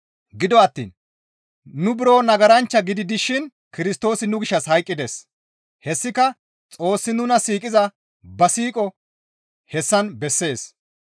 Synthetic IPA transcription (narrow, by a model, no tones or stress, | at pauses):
ɡɪd̪ɔɐt̪ːḭːn | nʊbɪɾo̞ːnɐɡɐɾɐnt͡ʃːɐɡɪd̪ɪd̪ɪʃɪn | kɪɾɪst̪o̞ːsɪnʊɡɪʃːɐshɐjkʼːɪd̪es | hɛsːɪkɐ | t͡sʼo̞ːsːɪnʊnɐsiːkʼɪzɐ | bɐsiːkʼɔ | hɛsːɐnbɛsːe̞ːs